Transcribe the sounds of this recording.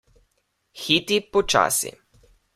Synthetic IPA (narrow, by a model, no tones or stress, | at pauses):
xit̪ipɔt͡ʃa̰ːsḭ